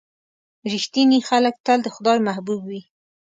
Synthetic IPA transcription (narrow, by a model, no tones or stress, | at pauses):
ɾɪxt̪inixalək̚t̪əld̪əxʊd̪ɑjmahbubwi